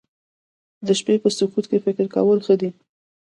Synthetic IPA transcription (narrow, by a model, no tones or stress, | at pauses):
d̪əʃpepəsʊkut̪kefɪkɪɾka̰wəlxəd̪i